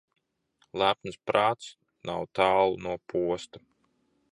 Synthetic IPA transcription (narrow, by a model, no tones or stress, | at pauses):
lˠæpnɨspɾaːt̪s | nawt̪aːlˠunuɔpʰuɔst̪a